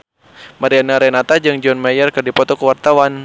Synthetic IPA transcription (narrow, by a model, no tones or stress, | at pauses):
maɾianaɾɛnat̪ad͡ʒɨŋd͡ʒɔnmajərkɨrdipɔt̪ɔkəwart̪awan